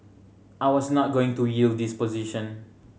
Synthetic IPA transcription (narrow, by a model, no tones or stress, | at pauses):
ʔajwɔsnɔt̚ɡoɪ̃ŋtujildd̪ispɔziʃɔ̃n